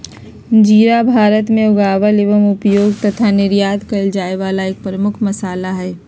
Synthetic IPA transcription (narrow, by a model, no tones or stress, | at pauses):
d͡ʒiːɾabʱaːɾət̪mẽʊɡaːʋəleʋəmʊpjoːɡt̪ɐt̪ʰanɪɾjaːd̪kɐld͡ʒaːeʋaːlaeːk̚pɾəmʊkʰmɐsaːlaɦɛː